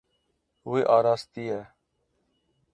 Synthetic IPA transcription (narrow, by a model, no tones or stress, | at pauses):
ɦʊːeːʔaːɾaːst̪iːɦɛː